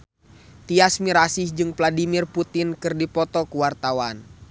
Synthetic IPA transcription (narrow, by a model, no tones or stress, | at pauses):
t̪iasmiɾasɪhd͡ʒɨŋpladimirput̪ɪnkɨrdipɔt̪ɔkuwart̪awan